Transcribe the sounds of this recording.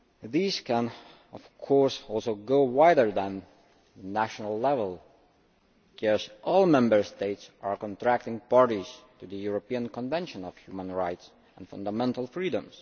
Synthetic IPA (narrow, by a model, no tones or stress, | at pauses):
ðiz̥kə̃n | ɔv̥kʰɔɹsɔlˠsoʊɡoʊwaɪdə˞ðə̃n | næʃənəlˠːɛvəlˠ | kʰɛɹsʔɔlˠmɛ̃mbə˞steɪtsaɹkɔ̃ntʰɹæk̚tɪ̃ŋpɑɹɾiz̥tuðəjuɹopiə̃nkɔ̃nvɛ̃nʃə̃nɔv̥hjumə̃nɹaɪts | ə̃nfʌ̃ndəmɛ̃ntəl̩ˠfɹidə̃mz̥